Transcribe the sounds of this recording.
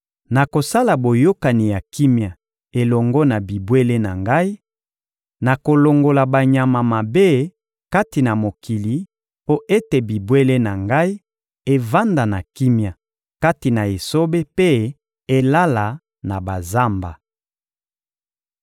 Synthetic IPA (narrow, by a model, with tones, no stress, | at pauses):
na˨ko˨sa˦la˨bo˨jo˦ka˨ni˨ja˨ki˦mja˨ | e˨lɔ˨ŋɡɔ˦na˨bi˨bwe˦le˦na̰˨ŋɡa˦i˦ | na˨ko˨lo˨ŋɡo˨la˨ba˨ɲa˨ma˨ma˨be˦ | ka˦ti˨na˨mo˨ki˨li˨ | po˦ʔe˦te˨bi˨bwe˦le˦na˨ŋɡa˦i˦ | e˦va˦nda˨na˨ki˦mja˨ | ka˦ti˨na˨e˨so˦be˦pe˦ | e˦la˦la˨ | na˨ba˨za˦mba̰˨